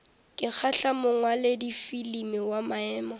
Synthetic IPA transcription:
kʼɪk͡xʰaɬamʊŋwaledifilimɪwamaɛːmɔ

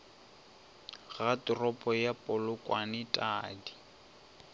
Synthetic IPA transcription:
ɣatʼʊrɔpʼɔjapʼʊlʊkʼwanɪtʼaːdi̥

